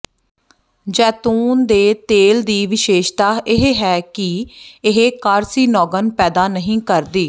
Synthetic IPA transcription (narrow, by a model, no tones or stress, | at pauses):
d͡ʒɛːt̪uːnd̪eːt̪eːld̪iːʋɪʃeːʃt̪aːʔɪɦeɦɛːkɪɪɦeːkaɾsiːnɔːɡənpɛːd̪aːnəɦĩːkəɾd̪iː